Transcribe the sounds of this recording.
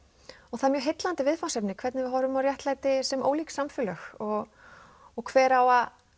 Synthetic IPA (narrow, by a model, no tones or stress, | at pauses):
ɔɣθaðmjœːɦejt̪lant̪ɪvɪðfansɛpnɪkʰvɛɾt̪nɪvɪɦɔɾʏmawɾjaht̪laːjt̪ɪsɛmo̰ːwliːksamfʏlœxɔɣ | ɔɣkʰvɛːɾawað